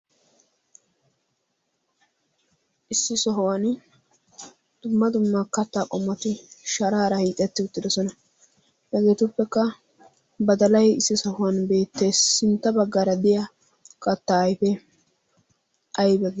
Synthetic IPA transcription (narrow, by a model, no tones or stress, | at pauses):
ʔɪsːɪsɔɦʊwɐn | d̪̥ʊmːɐd̪ʊmːɐkɐt̪ːaːkʼɔmːɔt̪ɪʃɐɾaːɾɐhiːkʼɛt̪ːɪʊt̪ːɪd̪ɔsɔnɐ | hɛɡe̞ːt̪ʊpːɛkːɐ | bɐd̪ɐlɐjɪsːɪsɔhʊwɐnbe̞ːt̪ːe̞ːsːɪnt̪ːɐbɐɡːaːɾɐd̪ɪjɐ | kʼɐt̪ːaːjfe | ʔɐjbɛɡ